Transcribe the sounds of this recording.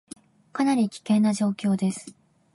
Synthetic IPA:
kanaɾʲikʲi̥kẽ̞nːaʑo̞ːkʲo̞ːd̪e̞sɨ̥

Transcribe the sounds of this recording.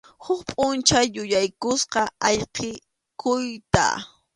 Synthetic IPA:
hʊkpʼʊnt͡ʃajʊjajkʊsqɑɑʎqʰe | kʊjt̪a̰

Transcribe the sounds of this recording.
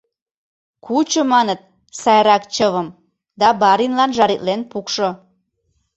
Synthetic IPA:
kut͡ɕomɑnət̪̚ | sɑjɾɑkt͡ɕəβəm | d̪ɑbɑɾinlɑnʒɑɾit̪lenpukʃo

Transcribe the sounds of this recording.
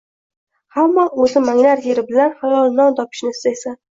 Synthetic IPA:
hamːɒɵzɪmaŋnaɾjeɾɪbɪlanhajɒlˠnɒnt̪ʰɒpʰɪ̥ʃnɪɪst̪ajsan

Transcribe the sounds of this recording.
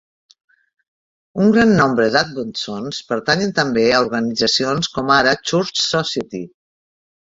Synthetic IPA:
uŋɡɾanːɔmbɾəðat̪̚bunt̪sonspəɾt̪aɲənt̪əmbeəuɾɣənid͡zəsionskɔmaɾət͡ʃuɾt͡ʃsɔsiət̪ḭ

